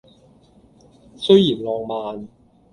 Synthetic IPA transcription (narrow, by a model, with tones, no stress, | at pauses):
sɵ˥ɥjiː˨˩nlɔː˨˧ŋmaː˨n